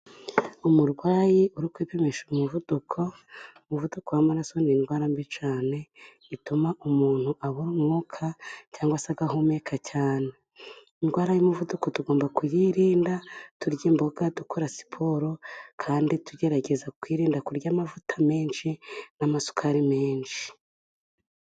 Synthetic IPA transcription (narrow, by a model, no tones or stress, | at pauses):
umuɾwaːjiʔuɾikwiːpeme̞ʃumuvudukʰo̞ | muvudukowamaɾaso̞ninɡwaːɾambit͡ʃaːne̞ | itumaʔumuːn̥huʔaβuɾumŋuːkʰacaːŋɡwasaɡaɦomeːkʰacʰaːne̞ | inɡwaːɾajumuvuduko̞tuɡo̞ːmbakujiɾiːndatuɾɟimbo̞ɡadukʰoɾasi̥pʰo̞ɾo̞kʰaːndituɟe̞ɾaɟe̞zakwiːɾiːndakuɾɟaːmavutʰame̞ːnʃinamasu̥kʰaɾime̞ːnʃi̥